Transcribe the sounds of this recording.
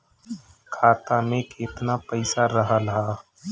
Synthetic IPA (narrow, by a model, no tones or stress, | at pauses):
kʰaːt̪amẽkeɪt̪napəɪsaɾəɦaləɦaː